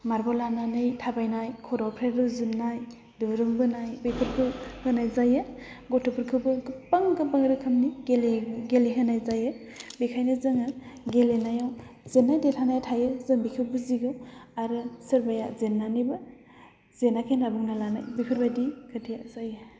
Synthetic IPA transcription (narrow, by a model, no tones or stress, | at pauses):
maɾbɔlananɯjtʰabajnajkʰɔɾawpʰɾeɾɯzɯnːaj | dɯɾɯŋbɯnajbipʰɯɾkʰɯhɯnajzajɯ | ɡɔtʰɯpʰɯɾkʰɯwbɯɡɯpaŋɡɯbaŋɾɯkʰɯmniɡeleɡeleɦɯnajzajɯ | bikʰajnɯzɯŋɯɡelenajawz̥enːajdetʰanajtʰajɯzɯŋbikʰiwbuziɡɯwaɾɯsɯɾbajazenːanibɯ | zenakʰenabuŋnalanajbipʰɯɾbajdikʰɯtʰijazajɯ